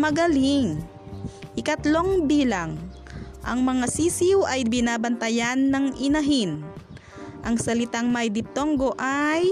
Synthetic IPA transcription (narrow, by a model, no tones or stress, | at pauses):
mɐɡɐliŋ | ʔɪkɐt̪lo̞ŋbiːlɐŋ | ʔɐ̰ŋmɐŋasiːsiwʔɐjbɪnaːbɐnt̪ɐjanːɐŋʔɪnɐɦin | ʔɐŋsɐlɪt̪aŋmɐjd̪ɪp̚t̪o̞ŋɡo̞ʔaj